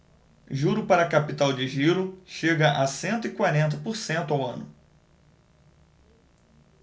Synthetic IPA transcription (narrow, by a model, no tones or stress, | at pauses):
ʒuɾʊpaɾɐkapit̪awd͡ʒɪʒiɾʊʃeɡɐʔasẽnt̪ʊikwaɾẽnt̪̬ɐpoɾsẽnt̪ʊawɐ̰̃nʊ